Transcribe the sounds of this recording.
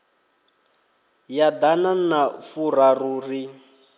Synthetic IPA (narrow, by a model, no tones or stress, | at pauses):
jad̪ananafuraruːri